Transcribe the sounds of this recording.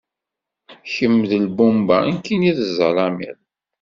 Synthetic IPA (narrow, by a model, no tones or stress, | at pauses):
çəmːðəlbumbaənkːiniðəzˤəlˤɑmḭɾ